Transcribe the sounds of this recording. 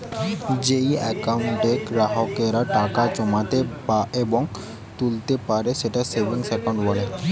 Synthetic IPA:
d͡ʑejɛkawɳʈɖekɾaɦokeɾaʈakat͡ɕɔmat̪epaʔebɔŋ | t̪ult̪epaɾeʃeʈasebʱiŋsekoɳɖbɔle

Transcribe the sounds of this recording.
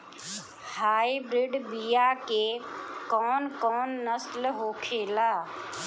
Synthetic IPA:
haːibɾɪɖbijakekɔːnkɔːnːəslɦoːkʰeːlaː

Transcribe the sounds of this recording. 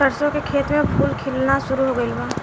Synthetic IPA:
ɐɾsõkekʰeːt̪mẽpʰuːlkʰɪlnaʃʊɾuɦoɡəibaː

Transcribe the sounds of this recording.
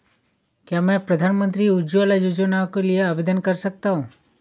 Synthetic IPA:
kjaːmɛ̃pɾɐd̪ʱaːnmə̃nt̪ɾiʊd͡ʒualajʊd͡ʒonakelijeɐbed̪ənkɐɾsɐk̚t̪aɦũː

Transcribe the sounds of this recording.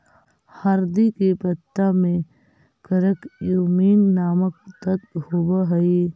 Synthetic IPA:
hɐɾd̪ikepət̪ːamẽ | kəɾəkjuːmiːnːaːmək̚t̪ət̪hoːbaɦɐi

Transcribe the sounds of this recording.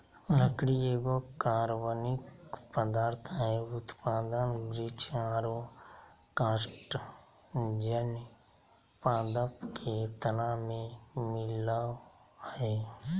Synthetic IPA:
ləkɽieːɡokaːɾʋənɪkpəd̪aːɾt̪ʰaɦeʊt̪paːd̪ənɾɪt͡ʃaːɾo | kaːsʈ | d͡ʒən | paːd̪əpkʰet̪ənãmẽmɪla | eː

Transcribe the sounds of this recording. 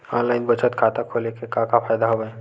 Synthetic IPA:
ɔ̃ːnlaːɪnbət͡ʃət̪kʰaːt̪akʰoːlekekãːkapʰaːjd̪aɦoɡəẽ

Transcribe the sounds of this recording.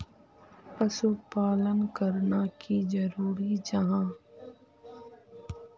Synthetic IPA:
pəsupaːlənkəɾnakizəɾuːɾid͡ʒɐɦãː

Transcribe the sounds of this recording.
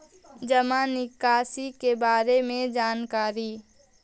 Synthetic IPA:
d͡ʒɐmãnɪkaːsikebaːɾemẽd͡ʒaːnkaːɾiː

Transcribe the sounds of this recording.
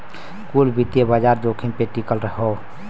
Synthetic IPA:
kulbit̪jebad͡ʒaɾd͡ʒokʰimpeʈikəlɾəɦəw

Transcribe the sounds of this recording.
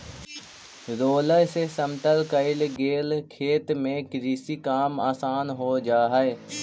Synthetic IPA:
zoːləsesəmt̪əlkəɪlɡeːlkʰeːt̪mẽkɾiːsikaːmaːsaːnɦod͡ʒaːɦəe

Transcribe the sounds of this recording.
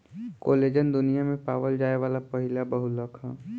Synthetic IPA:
koːleːd͡ʒənd̪ʊnijamẽpaːʋəld͡ʒaːeʋaːlapɐɦɪlabɐɦʊləkʰa̰ː

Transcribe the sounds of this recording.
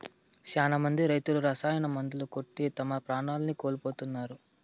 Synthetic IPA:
t͡ʃaːnɐmɐnd̪iɾɐjt̪uluɾɐsaːjɐnɐmɐnd̪ulukoʈːit̪ɐmɐpɾaːɳaːlɐnikoːlipo̞ːt̪unːaːɾu

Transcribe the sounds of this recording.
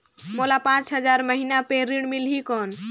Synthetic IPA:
molapãt͡ʃɦəd͡ʒaɾməɦinapeɾiɽ̃milɦikɔn

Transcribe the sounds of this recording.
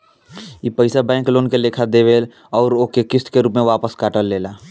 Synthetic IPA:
ipəɪsabɛ̃ːŋkloːnkeleːkʰad̪eʋeːl | ɔːɾoːkekɪst̪keɾuːpmẽʋaːpəskaːʈəlːeːlaː

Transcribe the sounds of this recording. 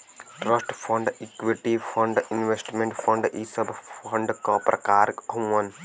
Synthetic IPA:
ʈɾɐsʈfʰɐ̃ɳɖikʋiʈifʰɐ̃ɳɖinʋesʈmẽɳʈfʰɐ̃ɳɖisɐbfɐ̃ɳɖkɔpɾɐ̰kaːɾkũɐn

